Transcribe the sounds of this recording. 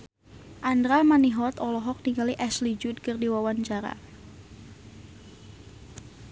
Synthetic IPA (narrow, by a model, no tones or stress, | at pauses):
ʔandɾamaniɦɔt̪ɔlɔɦɔk̚niŋɡaliʔɛslid͡ʒʊd̪̚kərdiwawant͡ʃaɾa̰